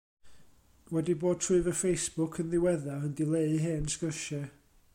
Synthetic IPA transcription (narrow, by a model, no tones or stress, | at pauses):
wɛdiboːd̚tʰrʊɨvəfejsb̥ʊkʰənðɪwɛðaəndɪlˠeɨɦeːnsɡ̥əʃɛ